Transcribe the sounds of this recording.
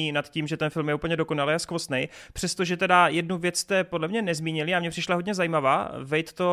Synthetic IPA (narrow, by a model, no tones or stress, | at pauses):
inat̪ciːmʒɛt̪ɛnfɪlmjɛuːpl̩ɲɛdo̞ko̞nalejaskosnɛjpr̥ɛst̪oʒɛt̪ɛdajɛdnuvjɛt͡sst̪ɛpo̞dlɛmɲɛnɛzmiːɲɪlɪamɲɛpr̝̥ɪʃlaɦo̞dɲɛzajimava̰ːvɛjt̪t̪o̞